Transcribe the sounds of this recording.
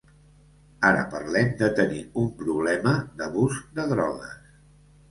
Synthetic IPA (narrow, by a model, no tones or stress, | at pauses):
aɾə̰pə̰ɾlɛmd̪ət̪əniumpɾuβlɛməðəβuzd̪əðɾɔ̰ɣəs